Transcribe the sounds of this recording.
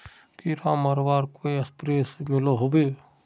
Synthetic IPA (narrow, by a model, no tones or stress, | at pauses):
kiɾaːməɾʋaːɾkoiɐspɾeːsd͡ʒoloɦoːbe